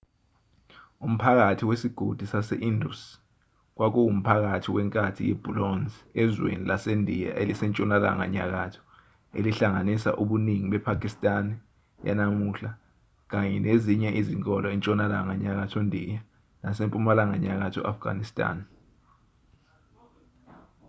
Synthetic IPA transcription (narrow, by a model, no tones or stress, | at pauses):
um̩pʰak̬atʰiwesiɡ̥ʱod̥ʱisasɛʔindṵs | k̬wak̬ʼuwum̩pʰak̬atʰiwɛŋkʼatʰijɛb̥ʱulɔnziɛzwḛnilasendʱija̰ʔelisɛnt͡ʃʼɔnala̰ŋa̰ɲa̰k̬atʰɔ̥ | ḛliɬaŋanisa̰ʔuɓuniŋiɓɛpʰakʰʼistʼan | ja̰namuɬa | k̬aɲɛneziɲɛʔiziŋkʼɔlɔent͡ʃʼɔnalaŋaɲak̬atʰɔndʱija | nasempʼumalaŋaɲak̬atʰɔ̰afɡ̥ʱa̰nistʼa̰ːn